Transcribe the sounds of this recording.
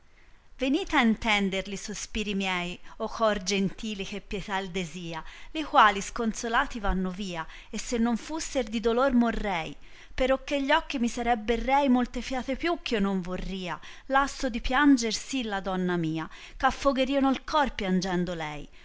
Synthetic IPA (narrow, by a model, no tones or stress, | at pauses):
veniːt̪aint̪ɛnd̪eɾlisospiːɾimjɛjokʰɔrd͡ʒent̪iːlik̟epːjɛt̪aeld̪eziːalikwaːliskonsolaːt̪ivanːoviːa | esːenːoɱfusːeɾd̪id̪olormorːɛj | peɾɔkːeʎːɔk̟ːimisaɾɛbːerːɛjmolt̪efjaːt̪epjuk̟ːionːoɱvorːiːa | lasːod̪ipjand͡ʒersilːad̪ɔnːamiːa | kafːoɡeɾiːonolkɔrpjand͡ʒɛnd̪olɛj